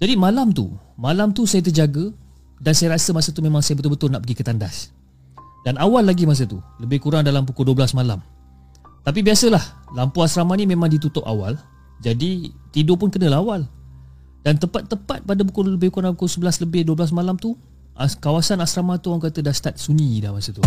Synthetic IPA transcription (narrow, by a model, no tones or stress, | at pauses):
d͡ʒadimalamt̪ṵmalamt̪usajat̪ərd͡ʒaɡə | dansajaɾasəmasət̪umẽmãŋsajabət̪ʊlbət̪ʊlna̰ʔpəɡikət̪anda̰s | danawalːaɡimas̬ət̪uləbɪhkuɾaŋdalamp̬ukʊlduəbəlasmala̰m | t̪ap̬ibiasəlahlampoasɾamanimemãŋdit̪ut̪ʊʔa̰wa̰l | d͡ʒadit̪idopʊnkənəlaɦawal | d̥ant̪əpat̪ːəpat̪̚padap̬ukʊləbɪhkuɾaŋdampukosəbəlasləbɪhduəbəlas̬malamt̪u | ʔkawasanasɾamat̪uawaŋkat̪ədast̪at̪̚sunidahmasət̪u